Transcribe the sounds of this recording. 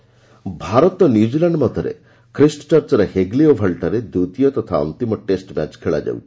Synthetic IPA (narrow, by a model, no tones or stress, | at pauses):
bʱaɾɔt̪ɔnjuud͡ʒilaɳɖmɔd̪ʱɔɾḛ | kɾisʈɔ̥t͡ʃɔɾt͡ʃɔɾeheɡliobʱaɭʈaɾed̪ut̪ijɔt̪ɔt̪ʰaɔ̰nt̪imɔʈesʈma̰t͡ʃkʰeɭa̰d͡ʒa̰wt̪ʰi